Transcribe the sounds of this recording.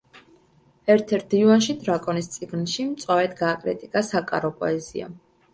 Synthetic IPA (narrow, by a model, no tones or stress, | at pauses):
ɛɾt̪ʰɛɾt̪̚divanʃid̪ɾakʼɔnist̪sʼiɡnʃimt̪sʼwavɛt̪ʰɡaːkʼɾḭt̪ʼikʼasakʼa̰ɾɔpʼɔ̰ɛzḭa̰